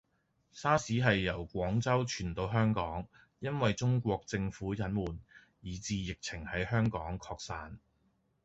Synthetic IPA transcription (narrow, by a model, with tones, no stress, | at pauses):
saː˥siː˨˥ɦɐ˨jːɐ˨˩wkʷɔː˨˥ŋt͡sɐ˥wt͡ʃʰyː˨˩nt̪o˧wɦœː˥ŋkɔː˨˥ŋ | jɐ˥nwɐ˨jt͡ʃʊ˥ŋkʷɔː˧k̚t͡sɪ˧ŋfuː˨˥jɐ˨˥nmuː˨˩n | jiː˨˥t͡siː˨jɪ˨k̚t͡sʰɪ˨˩ŋhɐ˨˥jhœː˥ŋkɔː˨˥ŋkʰɔː˧k̚saː˧n